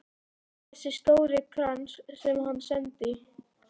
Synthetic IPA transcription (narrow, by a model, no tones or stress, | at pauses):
θɛsɪst̪owɾɪkʰɾanssɛmhanːsɛnt̪ɪ